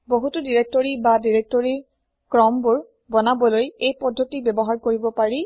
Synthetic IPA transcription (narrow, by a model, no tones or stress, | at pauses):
boɦutʊdiɹek̚tɔɹibadiɹek̚tɔɹi | kɹɔmbʊɹ | bɔnabɔlojejpɔdʱːotibɛbɔɦaɹkoɹibɔpaɹi